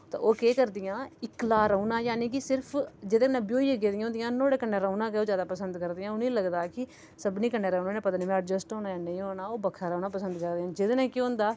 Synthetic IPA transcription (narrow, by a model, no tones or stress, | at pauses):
t̪a̰ːoːkeːkəɾd̪ɪjãːɪklaːɾəuːnaːjaːnĩːk̬ɪsɪɾpʰd͡ʒɪd̪ẽkənẽːbjoːiːəɡeːd̪ijãõnd̪ɪijãːnoːɽeːkənːeːɾəunãːkeoːd͡ʒjaːd̪aːpəsənd̪kəɾd̪ɪjãːʊnĩːləɡd̪aːkɪ | səbnĩːkənːeːɾaːnãːneːpət̪niːmɛ̃əʈd͡ʒəsʈoːnaːjaːnə̃ĩːoːnaːoːbəkʰaːɾəuːnãːpəsənd̪kəɾd̪eːãːd͡ʒɪd̪nẽːkɪõːnd̪aː